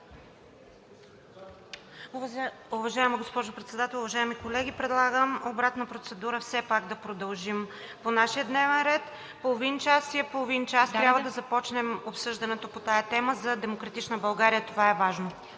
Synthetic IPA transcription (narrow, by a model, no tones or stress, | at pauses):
uvɐʒaɛməɡospɔʒʊpɾɛt̪sɛd̪at̪ɛlˠʊvɐʒaɛmikolɛɡʲipɾɛd̪lˠaɡəmobɾat̪nəpɾot̪sɛd̪uɾəfsɛpaɡd̪ɐpɾod̪ɐlˠʒim | ponaʃiəd̪nɛvɛnɾɛt̪ | polˠovint͡ʃasiɛpolˠovint͡ʃast̪ɾʲabvəd̪ɐzɐpɔt͡ʃnɛmopsɤʒd̪ɐnɛt̪opot̪ajət̪ɛməzɐd̪ɛmokɾɐt̪it͡ʃnəbɐlˠɡaɾijət̪ovaɛvaʒno